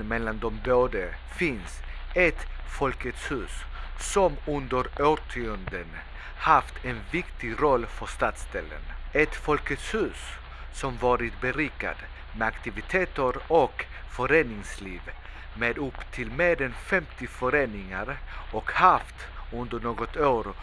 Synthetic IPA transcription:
mɛlːand̪ɔmboːd̪ə | fɪnsɛt̪fɔlkət̪shʉ̟ːssɔmɵnd̪əɾøːʈʰʏənd̪ən | haft̪ʰɛnvɪkt̪ɪɡɾɔlːfœʂt̪ɑːt̪st̪ɛlːə̰nɛt̪fɔlkət̪shʉ̟ːs | sɔmvɑːɾɪt̪bɛɾiːka̰d̪ | mɛakt̪ɪvɪt̪ʰeːt̪əɾɔk | fœɾeːnɪŋsliːv | meːd̪ɵpːt̪ʰɪlmeːɾɛnfɛmt̪ɪfœɾeːnɪŋaɾɔkhaft̪ | ɵnd̪əɳoːɡɔt̪oːɾ

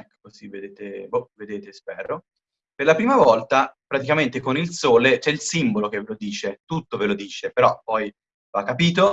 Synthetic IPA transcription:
ɛkːo̥kozived̪eːt̪eboved̪eːt̪espɛːɾo | perlapɾiːmavɔlt̪apɾat̪ikament̪ekonilsoːlet͡ʃɛilsimbolok̟evelod̪iːt͡ʃet̪ut̪ːovelod̪iːt͡ʃepeɾɔpːɔj | vakːapiːt̪̬o

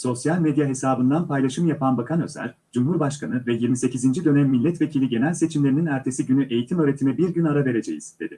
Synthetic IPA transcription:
so̞sjalʲmed̪jaɦe̞saːbɯnd̪anpʰajlˠaʃɯmjapʰanbakʰanø̞̰zæ̰ɾ | d͡ʒumɦuɾbaʃkʰanɯvɛjiɾmise̞cizind͡ʒid̪ø̞næmːilʲːɛt̪ve̞cʰilʲiɟe̞nælʲse̞t͡ʃʰimlʲeɾininæɾt̪ʰe̞siɟynyʔe̞jit̪ʰimøɾe̞t̪ʰimɛbiɾɟynaɾave̞ɾe̞d͡ʒejḭz̥d̪̥e̞̰d̪i

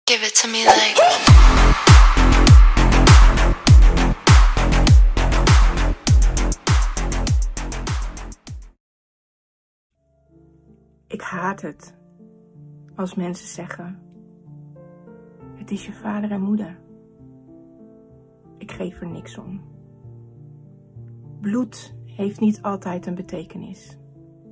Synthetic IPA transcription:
ɡ̥ɪvətəmɪe | ʔɪkhaːtɦət | ɑlˠsmɛnsəz̥ɛχən | ɦətɪsjəvaːdəɹɛnmudəɹ | ʔɪkχejfəɹnɪksɔ̰m | bluthejftnitʰɑlˠtɛjtənbətejkənɪ̰s

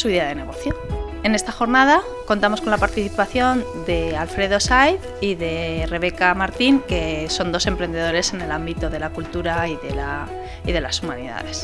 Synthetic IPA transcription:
suðeaðe̞ne̞ɣ̞o̞θjo̞ | e̞ne̞st̪axo̞ɾnaða | ko̞nt̪amoko̞nlapaɾt̪iθipaθjo̞n | d̪e̞alfɾe̞ðo̞sajθ | iðe̞re̞βe̞kamaɾt̪iŋke̞so̞nd̪o̞se̞mpɾe̞nd̪e̞ð̞o̞ɾe̞se̞ne̞lambit̪o̞ðe̞lakult̪uɾaiðe̞la | iðe̞lasumãniða̰ðe̞s

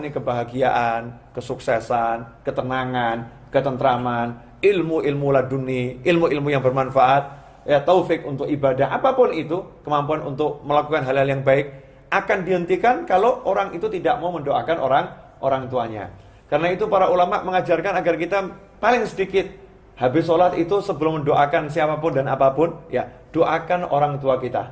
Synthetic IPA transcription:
nikəbaɦaɡiaʔankəsuksɛsankət̪ənaŋan | kət̪ənt̪ɾaman | ɪlmuʔilmulahduniɪlmuilmujaŋbərmanfaʔat̪̚ | jat̪ofɪk̚unt̪ʊkibadaʔapapʊnit̪ukəmampuanunt̪ʊk̚məlakukanɦalɦaljaŋbaɪk̚ | ʔakandiɦənt̪ikankaloʔoɾaŋit̪ut̪idaʔmauməndoʔakanʔo̰ɾaŋ | ʔoɾaŋt̪uaɲa̰ | kaɾənait̪upaɾaʔulamaʔməŋad͡ʒarkanaɡarkit̪a | palɪŋsədikɪt̪̚ | habɪsolat̪it̪usəbəlʊmːəndoʔakansiapapʊndanapapʊnja | d̥oʔakano̰ɾaŋt̪uakit̪a̰

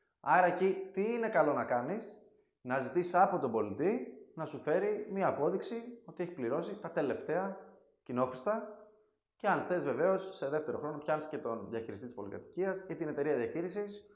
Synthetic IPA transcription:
ɐɾɐecit̪iine̞kɐlo̞nɐkɐnis | nɐzit̪isisɐpo̞t̪o̞bo̞lit̪inɐsufe̞ɾimiɐːpo̞ðiksio̞t̪ieçi̥pliɾo̞sit̪ɐt̪e̞le̞ft̪e̞ɐ | cino̞xɾist̪ɐ | ceɐnθe̞zve̞ve̞o̞sːe̞ðe̞ft̪e̞ɾo̞xɾo̞no̞pçɐnisce̞t̪o̞nðjɐçiɾist̪it̪ispo̞likɐ̰t̪i̥ciɐsit̪ine̞t̪e̞ɾiɐðiɐçiɾisis

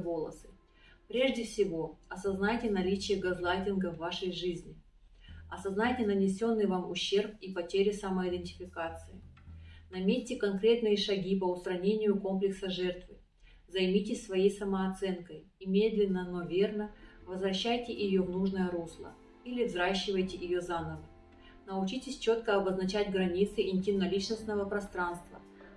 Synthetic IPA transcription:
vo̞lˠə̰sɨ | pɾʲe̞ʐdʲɪfsʲɪvo̞ɐsɐznajtʲɪnɐlʲit͡ɕɪjəɡɐzlˠajtʲɪnɡəvːaʂəjʐɨzʲnʲɪ | ɐsɐznajtʲɪnənʲɪsʲo̞nːɨjvamʊɕːe̞rp̚ipɐtʲeɾʲɪsaməɪd̪ɨɪnʲtʲɪ̥fʲɪkat̪sɨɪnɐmʲesʲtʲɪkɐnkɾʲe̞t̪nɨjəʂɐɡʲipəʊst̪ɾɐnʲenʲɪjʊko̞mplʲɪksəʐɛrt̪vɨ | zɐjmʲitʲɪsʲsvɐjejsəməɐt̪sɛnkəj | imʲed̪lʲɪnːəno̞vʲe̞rnəvəzvɾɐɕːæjtʲɪʔɪjo̞vnuʐnəjəɾuslˠə̰ | ilʲɪvzɾaɕːɪvəjtʲɪjɪjozanəvə | nəʊt͡ɕitʲɪsʲt͡ɕo̞t̪kəɐbəznɐt͡ɕætʲɡɾɐnʲit̪sɨʔɪnʲtʲinɐlʲit͡ɕnəsʲt̪nəvəpɾɐst̪ɾanst̪və̰

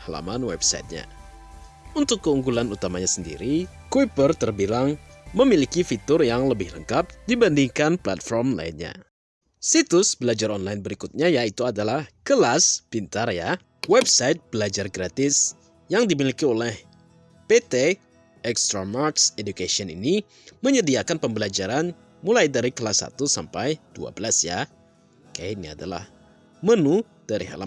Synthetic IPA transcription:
hala̰manwɛ̰bsaɪ̰t̪̚ɲa̰ | unt̪ʊkːəuŋɡulanut̪amaɲasəndḭɾi | kwipərt̪ərbilaŋməmilikifit̪ʊrjaŋləbɪhləŋkap̚dibandiŋkanpla̰t̪̚fɔrmla̰ḭnɲa̰ | sit̪ʊsbəlad͡ʒarɔnlajnbəɾikut̪̚ɲajait̪uadalahkəlasb̥int̪aɾja | wɛbsaɪt̪̚b̥əlad͡ʒarɡɾat̪ɪs | jaŋdimilikiolɛh | pet̪e | ɛkst̪ɾamarksedukasiɔnḭni | məɲədiakanpəmbəlad͡ʒaɾan | mulajdaɾikəlasa̰t̪usa̰mpajd̥ua̰bəlasja | kania̰dala̰h | mənu | d̥aɾiɦa̰la̰

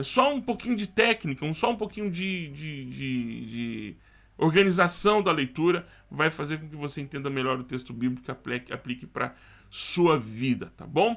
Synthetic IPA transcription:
sɔũpokĩɲʊd͡ʒɪt̪ɛknikɐũsɔũpokĩɲʊd͡ʒɪd͡ʒɪd͡ʒɪd͡ʒɪ | oɾɡɐ̃nizasɐ̃w̃d̪ɐlejt̪uɾɐ | vajfazeɾkõkɪvoseẽnt̪ẽnd̪ɐmeʎɔɾʊt̪est̪ʊbiblikʊapɛka̰plikɪpɾɐ̰ | suɐvid̪ɐt̪a̰bõw̃

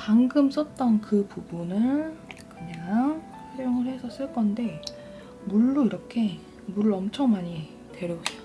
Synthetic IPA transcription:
paŋɡɯms͈ʌt̚t͈ʌnkɯpubunɯɭkɯɲaŋ | ɸaɾjoŋɯɭhe̞sʰʌs͈ɯɭk͈ʌnde̞ | muɭːuiɾʌkʰe̞ | muɾɯɭʌmt͡ɕʰʌŋmaɲi | twe̞ɾjʌusʰ

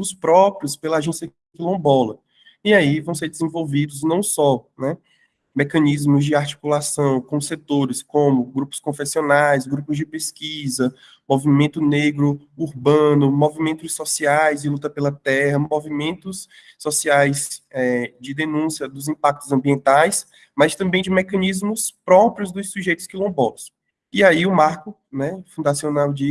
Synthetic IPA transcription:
ʊspɾɔpɾjʊspelɐaʒẽsjɐ | kilõbɔlɐ | iaivɐ̃w̃seɾd͡ʒɪzẽvowvid̪ʊznɐ̃w̃sɔnɛ | mɛkɐ̃nizmʊzd͡ʒɪaɾt͡ʃi̥kulasɐ̃w̃kõset̪oɾɪskõmʊɡɾupʊ̥skõfesionajzɡɾupʊzd͡ʒɪpeskizɐ | movimẽnt̪ʊneɡɾʊ | uɾbɐ̃nʊmovimẽnt̪ʊsosiajzd͡ʒɪlut̪ɐpelɐt̪ɛhɐmovimẽnt̪ʊsː | osiajzɛd͡ʒɪd̪enũsiɐd̪ʊzĩpak̚t̪ʊzɐ̃biẽnt̪ajs | mast̪ɐ̃mbẽj̃d͡ʒɪmɛkɐ̃nizmʊspɾɔpɾiʊzd̪ʊsuʒejt̪ʊskɪlõw̃bɔt̪ʊ̥s | iaiʊmaɾkʊ | nɛfũd̪asionawd͡ʒɪ

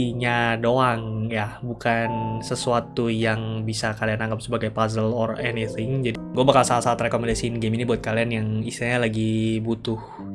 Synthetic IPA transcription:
iɲadoaŋjabukansəsuat̪ujaŋbisakalianaŋɡap̚səbaɡajpazəlɔrɛniθɪŋd͡ʒadiɡuabakalsaasaːt̪rekomɛndasinɡeminibuat̪̚kalianjaŋisiɲalaɡibut̪ʊh

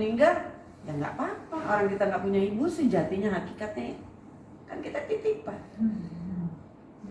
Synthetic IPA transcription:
niŋɡar | jaŋɡa̰ʔpapaʔoɾaŋkit̪aŋɡaʔpuɲaibusid͡ʒat̪iɲaɦakikat̪a | ka̰nkit̪ak̪it̪ik̚pah

